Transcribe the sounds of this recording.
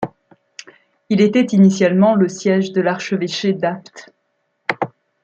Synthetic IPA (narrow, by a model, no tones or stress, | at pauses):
ilet̪ɛt̪inisjalmɑ̃ləsjɛʒd̪əlaʁʃəveʃed̪apt̪